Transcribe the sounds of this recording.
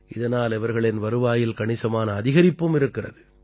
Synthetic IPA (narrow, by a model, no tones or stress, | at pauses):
ɪðɐnaːlɛʋɐɾɣɐɭɛnʋɐɾɯʋaːjɪlkɐɳɪsɐmaːnɐːðɪɣɐɾɪpːɯmɪɾɯkːɪrɐ̰ðɯ